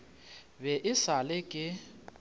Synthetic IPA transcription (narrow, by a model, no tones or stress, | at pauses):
bɛʔɪsalɪkʼɪ